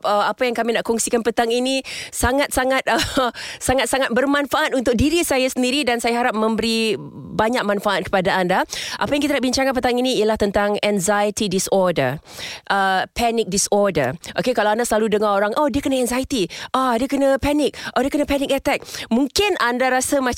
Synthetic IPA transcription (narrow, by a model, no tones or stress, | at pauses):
əapajaŋkamĩnaʔkɔŋsikanpət̪aŋinisaŋat̪̚saŋat̪̚əsaŋat̪̚saŋat̪̚bərmanfaʔat̪̚unt̪ʊk̚diɾisajasəndiɾidansajaɦaɾap̚mə̃mbəɾibaɲak̚manfaʔat̪̚kə̥padaandaʔapajaŋkit̪anaʔbiɲt͡ʃaŋanpət̪aŋinĩːjalaht̪ənt̪aŋɛŋzajət̪idisɔrdə̰ʔəpɛnɪk̚disɔrdəʔokekalawandasəlaludəŋaoɾaŋʔodiəkənaɛŋzajit̪iʔoadəkənapɛnɪk̚ʔodəkənapɛnɪk̚ɛt̪ɛk̚muŋkɪnʔandaɾasama